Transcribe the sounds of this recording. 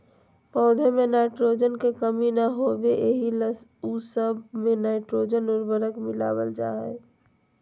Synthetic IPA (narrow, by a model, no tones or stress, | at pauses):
pɔʊd̪ʱemenaɪʈɾod͡ʒənkekəminaɦobeʔeɦilusəbmenaɪʈɾod͡ʒənoɾbəɾəkmɪla̰bəld͡ʒa̰ɦɛ̰